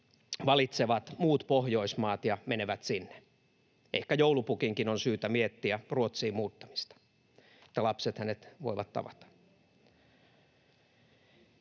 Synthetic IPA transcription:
ʋɑlit̪seʋɑt̪muːt̪pohjoismɑːt̪jɑmeneʋæt̪sinːe̥ | ʔḛhkæjoulupukiŋkinonsyːt̪æmiet̪ːiæruot̪siːmmuːt̪ːɑ̥mist̪ɑ̥ | e̥t̪ːælɑpset̪hænet̪ʋo̰iʋɑt̪tɑ̰ʋɑt̪ɑ̥

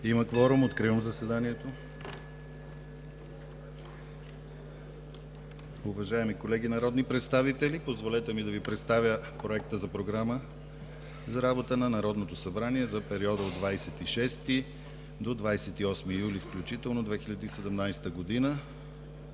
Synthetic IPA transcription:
iməkvɔɾumot̪kɾivəmzɐsɛd̪aniɛt̪o | ʊvɐʒaɛmikolɛɡʲinɐɾɔd̪nipɾɛt̪st̪avit̪ɛlipozvolɛt̪ɛmid̪ɐvipɾɛt̪st̪avʲjəpɾoɛkt̪əzɐpɾoɡɾamə | zɐɾabot̪ənɐnɐɾɔd̪not̪osɐbɾaniɛzɐpɛɾiɔd̪əod̪vajsɛt̪iʃɛst̪i | d̪od̪vajsɛt̪iɔsmijulifklʲut͡ʃit̪ɛlˠnod̪vɛxiʎʲɐd̪isɛd̪ɛmnajsɛ̥t̪əɡod̪inə

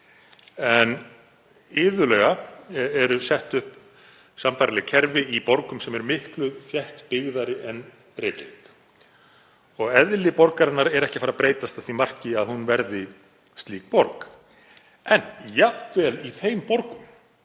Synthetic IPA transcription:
ɛn | ɪːðʏlœːɣaɛɾʏsɛht̪ʏhp | sampajɾlɛɣcʰɛɾvɪipɔɾkʏmsɛmɛɾmɪhklʏðfjɛht̪pɪɣðaɾɪʔɛn | rɪːt̪liŋk | ɔɣɛðlɪpɔɾkaɾɪnːaɾɛɾɛhcɪfaɾapɾeːjt̪ast̪aθimar̥cɪaðhunvɛɾðɪ | st̪liːk̚pɔɾk | ɛnjap̪vɛliθejmpɔɾkʏm

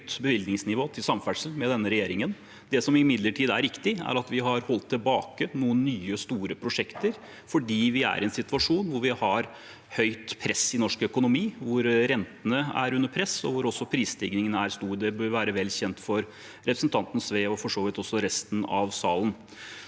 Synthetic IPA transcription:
t̪bəʋɪld̪nɪŋsnɪʋoːt̪ʰɪlsɑmfæʈʂəlmɛd̪ɛnːəɾɛjeːɾɪŋən | d̪ɛsɔmɪmɪd̪ləʈʰiːd̪æ̰ɾɪkt̪ɪæ̰ɾɑt̪ʋɪɦɑɾhɔlt̪ʰːɪlbɑːkənuːənːyːəst̪uːɾəpʰɾʊʂɛkt̪əɾ | fɔɖiːʋɪæ̰ɾɛnsɪt̪ʉɑʂuːnʋʊɾʋɪhɑɾ | hœʏt̪pʰɾɛsɪnɔʂkœkʊnʊmiːʋʊɾɾɛnt̪ənəæ̰ɾʉnːəɾpʰɾɛsɔ̰ʋʊɾɔsːɔpʰɾiːst̪ʰɪɡnɪŋənəæɾst̪uːɾd̪ɛbœɾʋæːɾəʋɛlːçɛnt̪fɔɾ | ɾɛpɾəsn̩t̪ʰɑnt̪n̩sʋeːɔfɔʂoːʋɪt̪ɔsːɔɾɛst̪n̩ɑ̰ʋsɑːlən

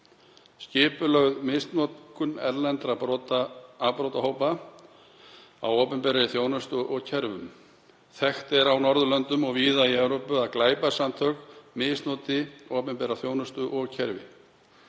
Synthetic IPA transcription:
scɪːpʏlœɣðmɪst̪nɔt̪kʏnɛ̰ɾlɛnt̪ɾapɾɔt̪aapɾowt̪aɦowpa | a̰woːpʏmpɛɾaɪθjoːwnʏst̪ʏʔɔɣcʰɛɾvʏm | θɛxt̪ɛɾawnɔɾðʏlœnt̪ʏmɔɣviːðaiɛvɾowpʏaðklaːjpasamt̪ʰœkmɪst̪noːt̪ɪɔːpʏmpɛɾaθjoːwnʏst̪ʏʔɔɣcʰɛɾvɪ̰

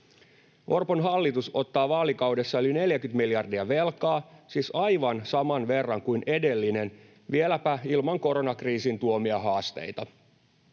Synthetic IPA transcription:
ʔo̞rponɦɑlːit̪uso̞t̪ːɑːʋɑːlikɑwde̞sːɑøline̞ljækyt̪miljɑrdiɑʋe̞lkɑːsisɑjʋɑnsɑmɑnʋe̞rːɑŋkujnʔe̞de̞lːine̞n | ʋielæpæilmɑŋko̞ɾo̞nɑkriːsint̪uo̞miɑɦɑːst̪ḛjt̪ɑ

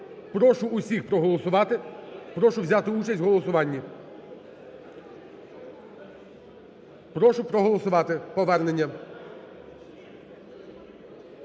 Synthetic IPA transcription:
pɾɔʃʊːsʲixpɾɔɦɔlˠɔsʊʋɑt̪ɪpɾɔʃʊwzʲɑt̪ɪut͡ʃɐsʲwɦɔlˠɔsʊʋɑnʲːi | pɾɔʃʊpɾɔɦɔlˠɔsʊʋɑt̪ɪpɔʋɛrnenʲːɐ

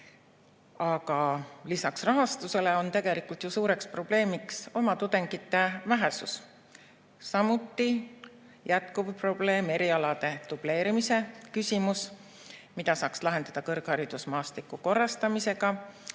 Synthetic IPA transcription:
ɑɡɑlisɑksrɑɦɑst̪use̞le̞o̞nt̪e̞ɡ̥e̞likult̪jusuːɾe̞kspro̞b̥le̞ːmikso̞mɑt̪ud̪̥e̞ŋɡ̥it̪ːe̞væɦe̞sus | sɑmut̪ːi | jæt̪̚kub̥pro̞b̥le̞ːme̞ɾiɑlɑd̪̥e̞d̪̥ub̥le̞ːɾimise̞kysʲimus | mid̪̥ɑsɑːkslɑɦe̞nd̪̥ɑd̪̥ɑkɤrɡ̥hɑɾid̪usmɑːst̪likːˑuko̞rːɑst̪ɑmise̞ɡ̥ɑ

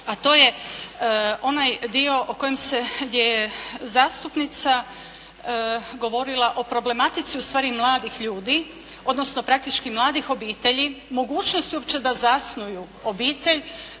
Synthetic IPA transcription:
at̪o̞ːje̞ | o̞najd̪io̞ʔoko̞jemse̞ɡd̪je̞jezaːst̪upnit̪sa | ɡo̞ʋo̞ɾilˠaʔo̞pɾo̞ble̞mat̪it̪siust̪ʋaːɾimlˠaːd̪ixʎuːd̪i | o̞d̪nosno̞pɾak̚t̪it͡ʃkimlˠaːd̪ixo̞biːt̪e̞ʎimo̞ɡuːt͡ʃnost̪iuo̞pt͡ɕe̞d̪azasnuju | obiːt̪e̞ʎ

